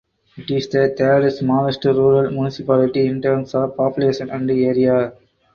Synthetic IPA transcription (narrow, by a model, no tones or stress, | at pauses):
ɪʈɪsd̪ət̪eɾɪsmaːɾəsʈɾuːɾəlmjunɪsɪpæːlɪʈiɪ̃nʈəːɾmsɔːʋpɑːpjʊleːʃə̃næ̃ɳɖieːɾia